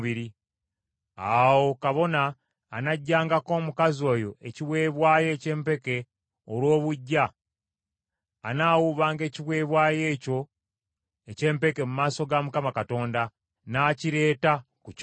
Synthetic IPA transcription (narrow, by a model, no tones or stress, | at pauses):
βiɾi | awo̞kaβo̞naː | naɟːaːŋɡako̞ːmukazio̞ːjo̞ʔeciβwe̞ːβwaːje̞ːce̞ːmpe̞ke̞ | olwo̞ːβuɟːa | naːwuβaːŋɡe̞ːciβwe̞ːβwaːje̞ːco̞ | ece̞ːmpe̞ke̞mumaːso̞ɡamukamakato̞ːnda | naciɾe̞ːta | kuc